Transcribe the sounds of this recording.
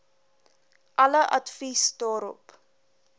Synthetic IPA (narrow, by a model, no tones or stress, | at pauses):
ʔɐləʔɐtfisdɑːɾɔ̰p